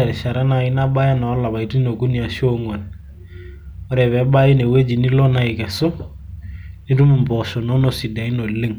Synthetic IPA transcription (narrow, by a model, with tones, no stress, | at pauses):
a˨ɾʃa˨ɾa˦na˨ɪ˦na˦ba˦ja˦na˨˦la˨βa˨i˦ti˦no˨ku˦ni˨a˨ʃo˦ŋwa˨n | ɔ˦ɾɛ˨βɛ˨˦ba˦ji˦ne˨we˦d͡ʒi˨ni˦lɔ˦na˦ɪ˨kɛ˨so˦ | ni˦tu˦mu˨mbɔ˨sɔ˨nɔ˦no˨si˨da˨i˦no˨le˦ŋ